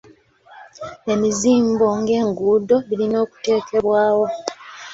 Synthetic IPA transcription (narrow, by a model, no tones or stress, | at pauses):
e̞miziːmbo̞ŋɡe̞ːŋɡuːdo̞βilino̞ːku̥te̞ːkʰe̞βwaːwo̞